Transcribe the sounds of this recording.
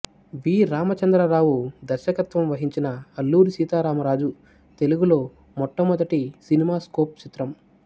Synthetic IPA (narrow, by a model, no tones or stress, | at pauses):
ʋiːɾaːmɐt͡ʃɐnd̪ɾɐɾaːwud̪ɐɾʃɐkɐt̪ʋɐmʋɐɦiɲt͡ʃinɐɐlːuːɾisiːt̪aːɾaːmɐɾaːd͡ʒu | t̪e̞luɡulo̞ː | mɔʈːɐmɔd̪ɐʈisinimaːskoːp̚t͡ʃit̪ɾɐm